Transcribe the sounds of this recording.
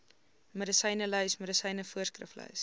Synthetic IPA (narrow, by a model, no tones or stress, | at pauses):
mədəsəjnəlœɥsməɾəsɐjnəfuərskrə̰flœ̰ɥs